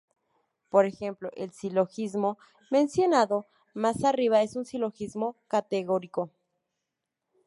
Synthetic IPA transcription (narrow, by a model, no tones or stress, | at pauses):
poɾexe̞mploʔelsiloxizmo | mẽ̞nsjo̞naðo | masariβae̞sunsiloxizmokat̪eɣoɾiko